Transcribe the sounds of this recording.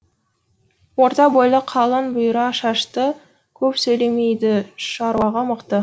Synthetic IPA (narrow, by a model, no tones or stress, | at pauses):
wo̞ɾt̪ɑbojlˠəqʰɑlˠənbʊjɾɑʃɑʃt̪ə | kʲʰɵpsɵjlemejd̪ɪʃɑɾuɑʁɑməqt̪ə